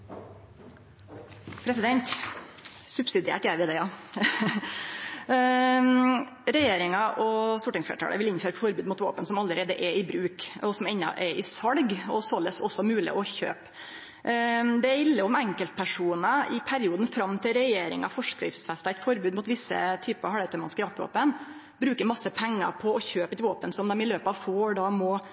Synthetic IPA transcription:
pʰɾɛsɪd̪ɛnt̪ | sʉbsɪd̪ɪḛːʈjæɪʋɪd̪ɛjɑ | ɾɛjeːɾɪŋɑʔɔst̪uːʈɪŋsflḛɾəʈʰɑ̰ːɽʔə̰ʋɪlɪnføːɾɛt̪fɔɾbʉːd̪mʊt̪ʋo̰ːpənsɔmɑlːəɾʔeːd̪əʔɛɪbɾʉːkɔsɔmɛnːɑ̰ʔɛɾʔɪsɑɽɡɔsɔləsɔsːɔmʉːlɪ̰ʔɔçø̰ːp | d̪ɛæɪlːəɔmɛŋkəlt̪̚pʰæʂuːnəɪpʰæɾɪuːd̪n̩fɾɑmːt̪ʰɪlɾɛjeːɾɪ̰ŋɑ̰fɔʂkɾɪ̰fsfɛst̪ɑæɪt̪fɔɾbʉːd̪mʊt̪ʋɪsːə̰t̪ʰyːpəɑhɑɽæt̪ʰəmɑnɪskəɾjɑk̚t̪ʋo̰ːpən | bɾʉːkəɾmɑsːəpʰɛŋːɑ̰pʰɔɔçøːpət̪ɪʋoːpənsɔmd̪ɛmɪløːpɑʋfoːɖɑmɔ

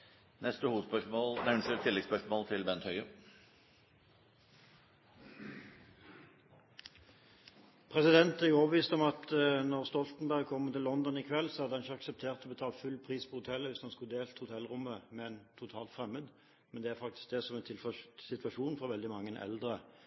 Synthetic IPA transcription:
nɛst̪əhuːʋəd̪spœʂmoːlnɛʋnəsɪt̪ʰːɪlɛɡspœʂmoːlt̪ʰɪlbɛnt̪hœʏə | pʰʁɛsɪd̪ɛnt̪æʁjʊɔːbəʋiːst̪ɔmɑt̪nɔʁst̪ɔlt̪n̩bæʁɡ̚kʰɔmːət̪ɪlːɔnd̪ɔnɪkʰʋɛlːsɔhɑd̪əhɑnɪçəɑksəp̚t̪ʰeːʁt̪ɔːbət̪ʰɑːlfʉlpʰʁiːspʰɔhʊt̪ʰɛlːəʋɪsɑnskʉd̪eːlt̪əhʊt̪ʰɛlʁʊmːəmɛɛnt̪ʰʊt̪ʰɑːlt̪fʁɛmːəd̪ | mɛnd̪ɛæʁfɑk̚t̪ɪ̥sk̚d̪ɛsɔmɛnsɪt̪ʋɑʃuːnfɔʋɛld̪ɪmɑŋːənʔɛ̰ld̪ʁə

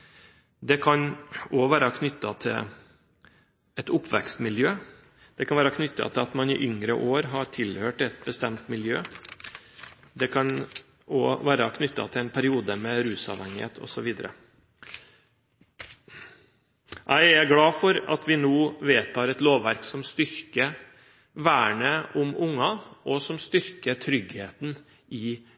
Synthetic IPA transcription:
d̪ɛkʰɑnɔʋæːɾɑkʰnʏt̪ːɑt̪ʰɪ̰l | ɛt̪ʊpːʋɛ̰kst̪mɪljøː | d̪̥ɛkʰɑnʋæːɾɑkʰnʏt̪ːɑ̰t̪ʰɪlɑt̪mɑnɪʔʏŋɾə̰ʔoːɾɦɑʈʰɪlhøːʈɛt̪̚bəst̪ɛmt̪mɪljøː | d̪ɛkʰɑn | ɔʋæːɾɑkʰnʏt̪ːɑ̰t̪ʰɪlæɪnpʰæɾɪuːd̪əmɛɾʉːsɑ̰ʋhɛŋːɪhḛːt̪ʰɔ̰sɔʋiːd̪əɾə̰ | ʔæɪæɡlɑːfɔɾɑ̰t̪ʰʋɪnuːʋeːt̪ʰɑːɾɛt̪loːʋʋæɾksɔmst̪ʏɾkə | ʋæːɳəʔʊmʊŋːɑʔɔsɔmst̪ʏɾkət̪ʰɾʏɡheːt̪n̩ | ɪ

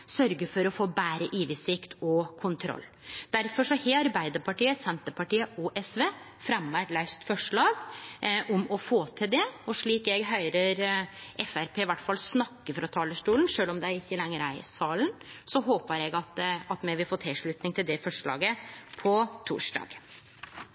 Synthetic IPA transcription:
sœɾɡəfɔɾɔfoːbæːɾəʔiːʋɪsɪkt̪ʰɔkʰʊnt̪ʰɾɔ̰lː | d̪̥æɾfɔʂɔheɑɾbæɪd̪əɾpɑʈiːəsɛnt̪əpɑʈiːəɔʔɛsʋeː | fɾɑmʋæʈ̪lœʏst̪fɔʂɭɑːɡʔʊmɔfoːt̪ʰɪld̪ɛɔʂɭiːkɛɡɦœʏɾəɾʔɛfæɾpʰeːɪʋæʈːfɑlsnɑkːəfɾɑt̪ʰɑːləʂʈuːlnʂøːlɔmd̪ɛæɾɪçːəlɛŋːəɾæɪsɑːlənsɔɦoːpəɾɛɡɑt̪ɑt̪mɛɪʋɪlfoːt̪ʰɪlʂɭʉːt̪nɪŋt̪ʰɪld̪ɛfɔʂɭɑ̰ːɡəpʰɔt̪ʰṵːʂɖɑ̰ːɡ

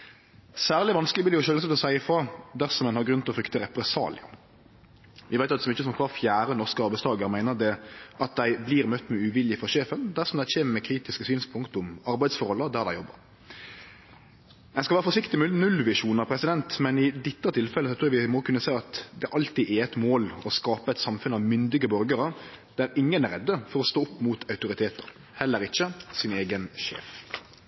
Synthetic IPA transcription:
sæːʁlɪʋɑnskəlɪblɪld̪ɛjʊʃøːləsɔt̪ɔsæɪəfɾɑd̪æʁsɔmɛnhɑɾɡɾʉnt̪ɪlɔfɾʏkt̪əɾɛpɾɛsɑ̰ːlɪ̰ɑ̰ | ʋʔɪʋæɪt̪jɑt̪sɔmɪçːəsɔmkʰʋɑːʁfjæːɾənɔʁskəɑɾbæɪst̪ʰɑːɡəɾmæɪnəɾd̪ɛʔɑt̪̚d̪æɪbliːɾmœt̪ːmɛʉʋɪljɪfɔʃeːfənd̪æʁsɔmd̪æɪçeːməmɛkʰɾiːt̪ɪskəsyːnspʰʊŋkt̪ʊmɑɾbæɪd̪sfɔɾhɔlːəd̪æʁd̪æɪjɔbːə̰ɾ | æɪnskɑʋæːɾəfɔʂɪkt̪ɪmnʉlʋɪʂuːnəɑpʰɾɛsɪd̪ɛnt̪mɛnɪd̪ɪt̪ːət̪ʰɪlfɛləsɔt̪ʰɾuːɾɑʋɪmɔkʰʉnːəsæɪɑt̪d̪ɛæʔɑlt̪iʔɛɛt̪moːlɔskɑːpəɛt̪sɑmfʉnɑʋmʏnd̪ɪɡəbœɾɡəɾəd̪̥æɾɪŋːənæɾɛd̪ːəfɔɾɔst̪oːʊpːmuːt̪ʰɑʉt̪ʊɾɪt̪ʰeːt̪əɾ | hɛlːəɾɪçːəsɪneːɡənʃḛːf

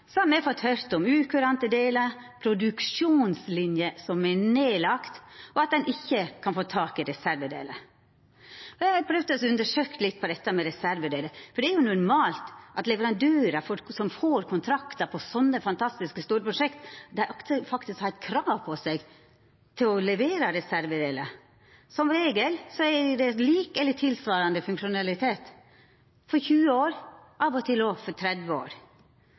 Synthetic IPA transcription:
sɔhɑɾmɛfɔt̪hœɾt̪ɔmʉːkʰʉɾɑnt̪əd̪eːləpʰɾʊd̪ʉkʂuːnslɪnjəsɔmɛneːlɑkt̪ɔɑt̪̚d̪ɛnʔɪçːəkʰɑnfoːt̪ʰɑːkɪɾɛsæɾʋəd̪ḛːlə̰ | ɔjæɪɑɾpʰɾœʋd̪ɔsɔʉnd̪əʂøːkt̪lɪt̪̚ːpʰɔd̪ɛt̪ːəmɛɾɛsæɾʋəd̪eːləfɔɖɛæɾjʊnʊɾmɑːlt̪ʔɑt̪lɛʋəɾɑnd̪øːɾɑfɔɾsɔmfoːɾkʰʊnt̪ʰɾɑkt̪ɑpʰɔsɔnːəfɑnt̪ʰɑst̪ɪskəst̪uːɾəpʰɾʊʂɛkt̪d̪ɛæɾʔɔkt̪ʰəfɑkt̪ɪskhɑt̪kʰɾɑːʋpʰɔsɛɡ | t̪ʰɪlɔlɛʋeːɾɑɾɛsæɾʋəd̪eːlə | sɔmɾeːɡəlsɔædɛliːkɛlːət̪ʰɪlsʋɑːɾɑnd̪əfʉŋkʂʊnɑlɪt̪ʰeːt̪ | fɔɾçʉːəoːɾʔɑːʋɔt̪ʰɪloːʋfɔt̪ʰɾɛd̪ʋəo̰ːɾ

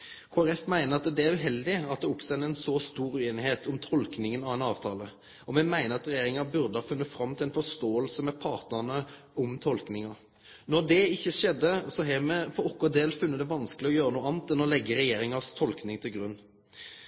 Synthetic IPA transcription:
kʰoːæʁɛfmæɪnəɾɑt̪d̪ɛæʁʉɦɛld̪ɪɑt̪̚d̪ɛʊksɔɛnɛnsɔst̪uːɾʉeːnɪheːt̪ʰɔmt̪ʰɔlknɪŋənɑʋɛnɑːʋt̪ʰɑːlə | ɔmɛmæɪnəɾɑt̪ɾɛjeːɾɪŋɑbʉɾd̪əhɑfʉnːəfɾɑmt̪ʰɪlɛnfɔst̪oːəlsəmɛpʰɑːʁt̪nəʁnə | ɔmt̪ʰɔlknɪŋɑ | nɔʁd̪ɛɪçːəʂɛd̪ːəsɔɦɛmɛfɔɾɔkːɔd̪eːlfʉnːəd̪ɛʋɑnskəlɪɔjøːɾənuːɑːnt̪ɛnːɔlɛɡːəɾɛjeːɾɪŋɑst̪ʰɔlknɪŋt̪ʰɪlɡɾʉnː

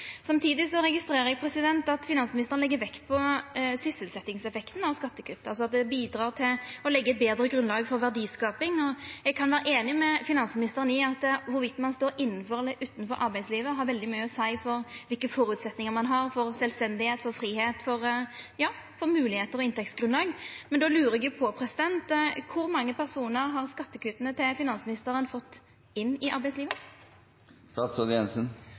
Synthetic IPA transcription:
sɑmt̪ʰiːd̪ɪsɔɾɛɡɪst̪ɾeːɾəɾɛɡ̚pʰɾɛsɪd̪ɛnt̪ɑt̪fɪnɑnsmɪnɪst̪əʁənlɛɡːəɾʋɛkt̪̚pʰɔsʏsəlsɛt̪ːɪŋsɛfɛkt̪n̩ɑʋskɑt̪ːəkʰʉt̪ːəɑls̬ɔɑt̪̚d̪ɛbiːd̪ɾɑːʁt̪ʰɪlɔlɛɡːəɛt̪̚beːd̪ɾəɡɾʉnlɑːɡfɔɾʋæʁd̪iːskɑːpɪŋɔɛɡ̚kʰɑnʋæːɾəʔeːnɪmɛfɪnɑnsəmɪnɪst̪əʁənɪɑt̪ʋʊɾʋɪt̪ːmɑnst̪oːɾɪnːən̩fɔɾd̪ɛʔʉːt̪n̩fɔɾʔɑɾbæɪsliːʋəɦɑɾʋɛld̪ɪmœʏəɔsæɪfɔɾʋɪlkəfɔɾʉt̪sɛt̪nɪŋəʁmɑnɦɑʁfɔɾsɛlst̪ɛnd̪ɪheːt̪fɔɾfɾiːheːt̪fɔɾjɑː | fɔɾmʉːlɪheːt̪əɾɔɪnt̪ɛksɡɾʉnlɑːɡmɛnd̪ɔlʉːɾəɛɡjʊpʰɔpʰɾɛsɪd̪ɛnt̪kʰʊɾmɑŋːəpʰæɾsuːnəɾɦɑʁskɑt̪ːəkʰʉːt̪ənət̪ʰɪlfɪnɑnsmɪnɪst̪əɾənfɔt̪ː | ɪnːɪʔɑɾbæɪsliːʋə | st̪ɑːt̪sɔd̪ɪɛnsən

